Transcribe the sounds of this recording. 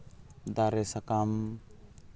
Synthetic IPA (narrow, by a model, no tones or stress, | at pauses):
d̪aɾesakam